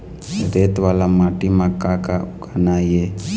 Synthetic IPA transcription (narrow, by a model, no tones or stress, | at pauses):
ɾet̪walamaʈimakakaɡanaje